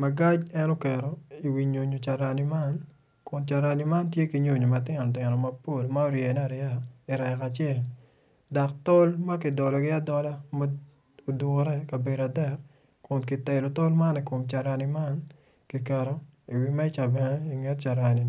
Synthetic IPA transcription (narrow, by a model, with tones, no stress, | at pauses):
ma˨ɡa˦d͡ʒɛ˦no˦kɛ˨ɾo˨i˨wi˨ɲo˨ɲo˨t͡ʃa˨ɾa˨ni˨ma˦n | kʊ˨nt͡ʃa˨ɾa˨ni˨ma˦ntje˦ki˨ɲo˦˨ɲo˨matɪ˦nɔ˨tɪ˨nɔ˨ma˦po˦lma˦o˦ɾje˨n˦a˨ɾɪa˦˨i˨ɾɛ˨ka˨t͡ʃɛ˦˨l | da˨kto˦lma˦kɪ˨dɔ˨lɔ˨ɡɪ˦a˦dɔ˦la˦ma˦ | o˨du˨ŋo˦ɾɛ˦ka˨be˨da˨dɛ˦˨k̚ | kʊ˨nkɪ˨tɛ˨lo˨to˦lma˦ni˨ko˨mt͡ʃa˨ɾa˨ni˨ma˦n | kɪ˨kɛ˨ɾo˦ | i˨wima˦i˦t͡ʃa˨bɛ˨nɛ˦i˨ŋe˦tt͡ʃa˨ɾa˨ni˨